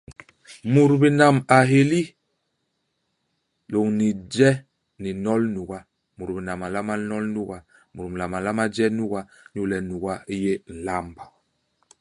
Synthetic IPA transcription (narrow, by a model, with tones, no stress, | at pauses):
mu˨ɾbi˨na˨ma˨ɦe˨li˦ | lo˨ŋni˨d͡ʒɛ˦ | ni˨nɔ˦lnu˨ɡa˦ | mu˨ɾbi˨na˨ma˨la˦ma˦nɔ˦lnu˦ɣa˨ | mu˨ɾmi˨la˨ma˨la˦ma˦d͡ʒɛ˦nu˦ɣa˦ | n˦u˦lɛ˨nu˨ɡa˦i˦je˦n̩˨la˦mba˨